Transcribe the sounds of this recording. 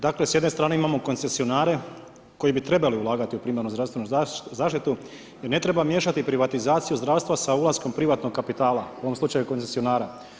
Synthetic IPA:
d̪akle̞sjed̪ne̞st̪ɾaːne̞imamo̞ko̞nse̞sio̞naːɾe̞ | ko̞jibit̪ɾe̞baliulˠaːɡat̪iupɾimeaɾnuzɾast̪ʋe̞nuzaːʃt̪it̪u | jeɾne̞t̪ɾe̞bamje̞ːʃat̪ipɾiʋat̪izaːt̪sijuzd̪ɾaʋst̪ʋasaulˠasko̞mpɾiʋat̪no̞ɡkapit̪aːla̰uomslut͡ʃajuko̞nsesio̞naːɾa

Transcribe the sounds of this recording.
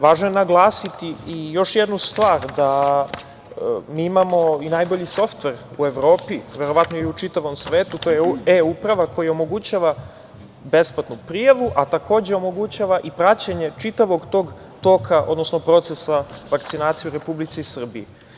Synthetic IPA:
ʋaːʒnojenaɡlˠaːsit̪iijo̞ʃjed̪nust̪ʋaːɾd̪a | miːimamo̞inajbo̞ʎiso̞ft̪ʋe̞ɾue̞ʋɾo̞ːpiʋe̞ɾo̞ʋat̪noiut͡ʃit̪aʋo̞msʋe̞ːt̪ut̪ojeeupɾaʋako̞jaomo̞ɡut͡ɕaːʋa | be̞splˠat̪nupɾijaʋuʔat̪akʰo̞ːd͡ʑe̞o̞mo̞ɡut͡ɕaːʋaʔipɾat͡ɕaɲe̞t͡ʃit̪aʋo̞ɡt̪o̞ːɡ | t̪o̞ːkʰaʔod̪nosnopɾo̞t̪sesaʋakt̪sinaːt̪sijuɾe̞publit̪sisr̩bie

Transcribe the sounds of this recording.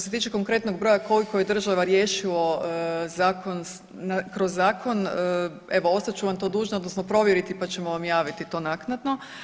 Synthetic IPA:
t̪ose̞t̪iːt͡ʃeko̞ŋkɾe̞t̪noɡ̚bɾo̞ːjako̞likoje̞d̪r̩ʒaʋaɾjeːʃilozaːko̞n | nakɾozːaːkʰo̞nə | e̞ʋo̞o̞st̪at͡ʃuʋamt̪o̞ːd̪uːʒnood̪nosno̞pɾo̞ʋjeɾit̪ipat͡ɕe̞moʋamjaːʋit̪it̪o̞ːnaknad̪no̞

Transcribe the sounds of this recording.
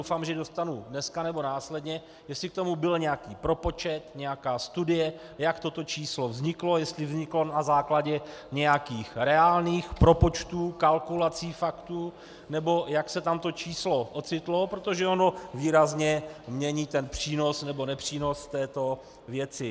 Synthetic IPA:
owfaːmʒɛdo̞st̪anudnɛskanɛbo̞naːslɛdɲɛ | jɛst̪lɪkt̪o̞mubɪlɲɛjakiːpɾo̞po̞t͡ʃɛt̪ɲɛjakaːst̪udɪjɛ | jakt̪o̞t̪o̞t͡ʃiːslo̞vzɲɪklo̞jɛst̪lɪvzɲɪklo̞nazaːklaɟɛɲɛjakiːxɾɛaːlniːxpɾo̞po̞t͡ʃt̪uːkalkulat͡siːfakt̪u | nɛbo̞jaksɛt̪amt̪o̞t͡ʃiːslo̞ʔo̞t͡sɪt̪lo̞pɾot̪o̞ʒɛo̞no̞viːɾazɲɛmɲɛɲiːt̪ɛnpr̝̥iːno̞snɛbo̞nɛpr̝̥iːno̞sft̪ɛːt̪o̞ | vjɛt͡sɪ

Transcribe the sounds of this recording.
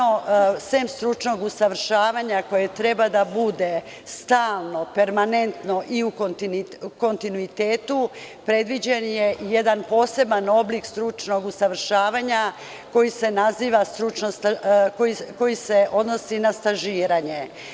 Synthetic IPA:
osemst̪ɾut͡ʃno̞ɡusaʋɾ̩ʃaːʋaɲako̞jet̪ɾe̞bad̪abud̪e̞ | st̪aːlˠno̞pe̞ɾmane̞nt̪no̞ʔiukont̪inko̞nt̪inuit̪eːt̪upɾe̞d̪ʋid͡ʑenje̞je̞d̪anpo̞ːse̞bano̞blikst̪ɾut͡ʃno̞ɡusaʋɾ̩ʃaːʋaɲa | ko̞jise̞naziːʋast̪ɾut͡ʃnosakojiko̞jise̞ʔo̞d̪no̞sinast̪aʒiːɾaɲe̞

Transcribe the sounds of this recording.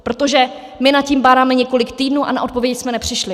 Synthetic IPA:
pɾo̞t̪o̞ʒɛ | mɪnat̪̚ciːmbaːɾaːmɛɲɛko̞lɪkt̪iːdnuːʔa̰na̰ʔo̞t̪po̞vjɛcsmɛnɛpr̝̥ɪʃlɪ

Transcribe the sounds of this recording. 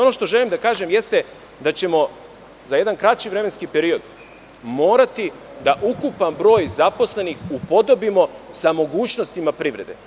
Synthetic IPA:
o̞no̞ʃt̪o̞ʒe̞limd̪akaːʒemje̞st̪e | d̪at͡ɕe̞mo̞ | zaje̞d̪ankɾat͡ɕiʋɾe̞menskipe̞ɾio̞d̪ | mo̞ːɾat̪i | d̪aʔukupanbɾo̞ːjzapo̞sle̞nixupo̞d̪o̞bimo̞samo̞ɡuːt͡ɕno̞st̪imapɾiʋɾe̞d̪e̞̰

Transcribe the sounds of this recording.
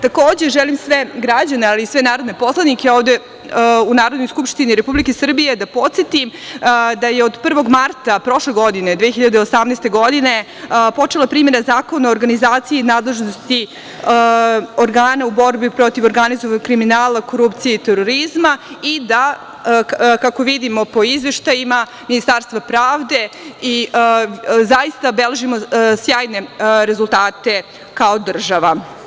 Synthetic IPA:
t̪ako̞ːd͡ʑe̞ʒelimsʋeɡɾad͡ʑanealiːsʋenaːɾod̪ne̞po̞slˠad̪nikeo̞ːvd̪e̞ | unaːɾod̪no̞jskupʂt̪iniɾepublikesr̩bije̞d̪apo̞t̪sjet̪imd̪ajeod̪pr̩ʋo̞ɡmaɾt̪apɾo̞ʂleɡo̞d̪ine̞d̪ʋexiʎad̪eosamneːst̪e̞ɡo̞d̪ine̞ | po̞t͡ʂelapɾiːme̞ɾazaːko̞naoɾɡanizaːt̪sijeinaːd̪le̞ʒnost̪i | oɾɡaːnaubo̞ɾbipɾo̞t̪iʋoɾɡanizoʋaɲokɾiminaːlako̞ɾupt̪sijeit̪eɾoɾizmaid̪a | kako̞ʋid̪imo̞po̞izʋe̞ʃt̪ajima | minist̪aːɾst̪vʋapɾaːʋd̪e̞i | zaist̪abeleʒimosjaːjne̞ɾe̞zulˠt̪aːt̪e̞ | kaod̪r̩ʒaʋa

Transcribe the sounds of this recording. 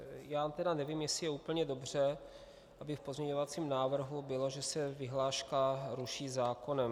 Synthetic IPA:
jaːt̪ɛdanɛviːmjɛsɪjɛuːpl̩ɲɛdo̞br̝̥ɛ | ʔabɪfpo̞zmɲɛɲo̞vat͡siːmnaːvr̩ɦubɪlo̞ʒɛsɛvɪɦlaːʃkaɾuʃiːzaːko̞nɛm

